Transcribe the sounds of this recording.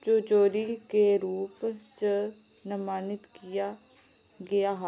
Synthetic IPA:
t͡ʃoːd͡ʒoːɾikeɾuːpt͡ʃə | nəmaːnɪt̪kija | ɡɐjaɦ

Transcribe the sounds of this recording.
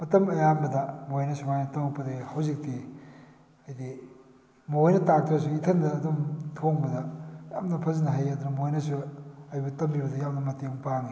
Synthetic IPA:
mɐtɐmɐjambɐdɐmojnɐsumajnɐtɐŋpːɐdehɐwzik̚ti | ɐjdi | mojnɐtak̚tʰɾɐs̬uitʰɐndɐːdumtʰoŋbɐdɐja̰mnɐpʰɐzinɐɦajɐd̪unɐmojnɐsuɐjbɐtɐmbibɐdɐjamnɐmɐtiŋpaŋi

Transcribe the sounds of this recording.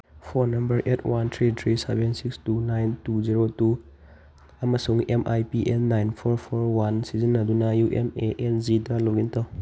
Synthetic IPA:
pʰɔnɐmbəɾʔetʰwant̪ʰɾit̪ʰɾisebɛnsikstunajntuziɾotu | amasuŋɛmʔajpiʔɛnːajnpʰɔɾpʰɔɾwansizinːadunajuʔemeʔɛnzidaloɡintɔw

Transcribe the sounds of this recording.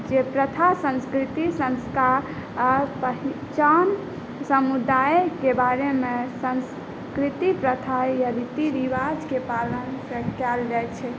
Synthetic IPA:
d͡ʒepɾət̪ʰasə̃nskɾit̪isə̃nskaɾ | ɾpəɦi | t͡ʃan | səmud̪aekebaɾemesəns | kɾit̪ipɾət̪ʰajaɾit̪iɾiʋad͡ʒkepalənsə̃kɛld͡ʒajt͡ʃʰɛ

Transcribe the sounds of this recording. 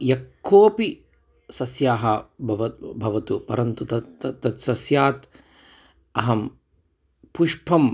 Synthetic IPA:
jɐkʰːoːpi | sɐsjaːɦɐbʱɐʋɐbʱɐʋɐt̪upɐɾɐnt̪ut̪ɐt̪ːɐt̪sɐsjaːt̪ | ɐɦɐm | puʃpʰɐm

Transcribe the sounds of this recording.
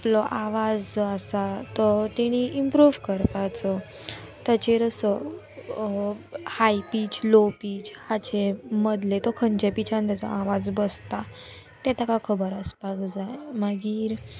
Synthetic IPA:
aplɔʔaʋad͡zd͡zɔasat̪ɔt̪ɛɽ̃iimpɾuːʋkəɾpajt͡sɔ | t̪at͡ɕeɾəsɔ | hajpit͡ɕlopiːt͡ɕhat͡ɕeməd̪let̪ɔkʰənd͡ʑepit͡ɕʰãnt̪jat͡sɔ̰aʋad͡zbəst̪a | t̪ɛt̪akakʰəbəɾəspaɡd͡zaemaɡiːɾ

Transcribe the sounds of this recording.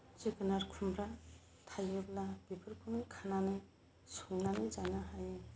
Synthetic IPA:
t͡ʃekɯnaɾkʰumbɾa | tʰajɯblab̥ipʰɯɾpʰunɯjkʰananɯj | suŋnanɯjzajnaɦaj

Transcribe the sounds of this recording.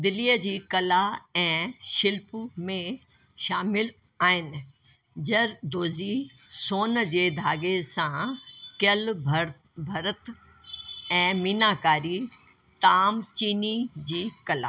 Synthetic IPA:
d̪ɪliːəd͡ʑiːkɐlaɛ̃ːʃɪlpumẽ | ʃaːmɪl | aːɦɪnɪ̆ | d͡ʑɐɾd̪oːzi | soːnəd͡ʑeːd̪ʱaːɡesãkɪjəlbʱ | bʱɐɾət̪ | ɛ̃ːmiːnaːkaːɾi | t̪aːmt͡ɕiːnid͡ʑiːkɐla̰ː

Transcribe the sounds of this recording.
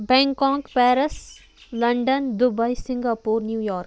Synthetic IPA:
bɛ̃ːŋkãːŋkpɛːɾəs | lɐ̃ɳɖənd̪ʊbaisɪ̃ŋɡaːpuːɾnjuːjɔːɾk

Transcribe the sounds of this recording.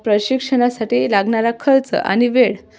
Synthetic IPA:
pɾəɕikʂənasaʈiːlaɡɳaɾakʰəlt͡sə̰a̰ñiʋeɭ

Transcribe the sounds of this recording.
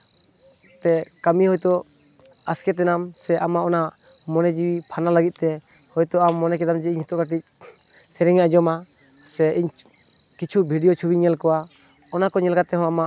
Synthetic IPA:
t̪ɛkəmiɦɔjt̪ɔ | askɛt̪̬ɛnamsɛʔamaʔɔna | mɔnɛd͡ʒiwipʰanalaɡit̪̚ˀt̪ɛ | hɔjt̪ɔamːɔnɛkɛd̪amd͡ʒɛiɲhit̪ɔʔkaʈic̚ | sɛɾɛŋaʔd͡ʒɔma | sɛiɲ | kit͡ʃʰubʱiɖijɔt͡ʃʰubiɲɛlkɔwa | ɔnakɔɲɛlkat̪ɛɦɔ̃amaʔ

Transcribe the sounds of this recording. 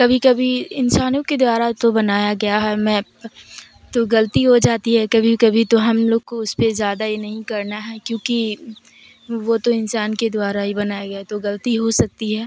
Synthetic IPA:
kɐbʱikɐbʱiɪnsaːnõked̪waːɾat̪obɐnaːjaɡɐjaɦɛmɛ̃ | t̪oɡɐlət̪iɦod͡ʒaːt̪iɦɛkɐbʱikɐbʱit̪oɦɐmloːɡkoʊspezjaːd̪ajenɐɦĩkɐɾnaɦɛkjõːki | ʋot̪oɪnsaːnked̪ʊwaːɾaɦibɐnaːjaɡɐjat̪oɡɐlt̪iɦosɐk̚t̪iɦɛː

